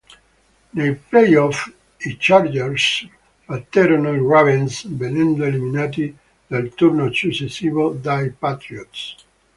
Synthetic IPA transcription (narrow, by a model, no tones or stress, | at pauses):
neplɛjɔf | it͡ʃaɾd͡ʒɛɾs | fat̪ɛɾɔnalravɛ̃nsbenɛ̃nd̪oeliminat̪̬i | d̪alt̪uɾnosusesivod̪ajpat̪ɾiɔt̪s